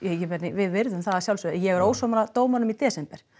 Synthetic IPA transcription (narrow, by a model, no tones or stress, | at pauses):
jɛcːɪvɛɾnɪvɪðvɪɾðʏmθaðasjawlsʏðjɛɣɛɾoːwsɔmaɾat̪oːwmanʏmit̪ɛːsɛmpɛɾ̥